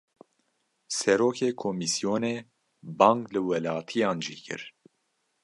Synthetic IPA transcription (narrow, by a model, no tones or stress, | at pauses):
sɛɾoːkʰeːkʰoːmisijoːneː | bɑːŋklɨwɛlɑːt̪ʰijɑːnʒḭːkʰɨ̰ɾ